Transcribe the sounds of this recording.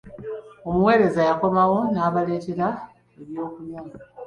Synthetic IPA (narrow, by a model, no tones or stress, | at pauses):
o̞muwe̞ːɾe̞zajako̞mawo̞naːβale̞ːte̞ɾa | eβjo̞ːkuna